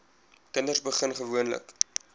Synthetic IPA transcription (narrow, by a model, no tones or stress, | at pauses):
kəndərsbəχənχəvuənlə̰k